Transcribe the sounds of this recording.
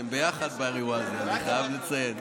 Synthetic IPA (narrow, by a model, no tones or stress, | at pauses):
embejaχad̪̚baʁivalzniχajavlet͡sajen